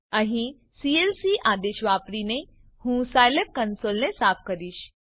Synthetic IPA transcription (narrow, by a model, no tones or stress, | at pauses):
ə̃ɦĩ | sielsiʔaːd̪eɕʋaːpɾine | hũsajlep̚kənsolnesaːp̚ʰkəɾiːɕ